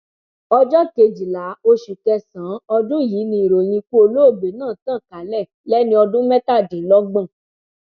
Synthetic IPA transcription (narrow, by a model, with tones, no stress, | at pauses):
ɔ˧d͡ʒɔ˦ke˧d͡ʒi˨la˨˦o˧ʃu˨kɛ˧sã˨˦ɔ˧dũ˦jiː˨˦nĩ˧i˨ɾo˨lĩ˧ku˦o˧lo˦o˦˨be˨nãː˦˨tã˦˨ka˨˦lɛ˦˨lɛ˦nĩ˧˦ɔ˧dũ˦mɛ̃˦ta˦˨dĩ˨˦lɔ˦ɡ͡bã˦˨